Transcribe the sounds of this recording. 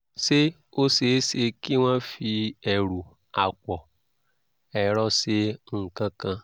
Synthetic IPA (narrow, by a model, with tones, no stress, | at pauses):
se˦ | o˦se˨˦se˦ki˦wʷã˦fi˦e˨ɾu˨ | a˨kʷɔ˨ | ɛ˨ɾɔ˦se˦ŋ̩˨kã˦kã˦